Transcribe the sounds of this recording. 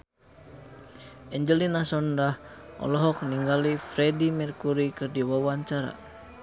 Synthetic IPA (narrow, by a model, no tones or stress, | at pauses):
ʔɛɲd͡ʒəlinasɔndahɔ̰lɔɦɔk̚niŋɡalifɾɛdimɛrkuɾikɨrdiwawaɲt͡ʃaɾa̰